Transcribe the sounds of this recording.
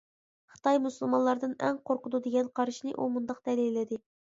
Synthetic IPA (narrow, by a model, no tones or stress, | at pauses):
χə̥t̪ɑjmusɨlˠmɑnlˠɑɾd̪ɨnɛ̰ŋqʰoɾqʊd̪ud̪eɡʲɛnqʰɑɾɨʃnɨʔumund̪ɑq̚d̪̥ɛlejlɪd̪ɪ